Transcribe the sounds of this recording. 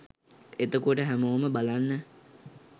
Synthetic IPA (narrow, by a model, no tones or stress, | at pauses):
et̪əkuʈəɦæmoːməbalanːə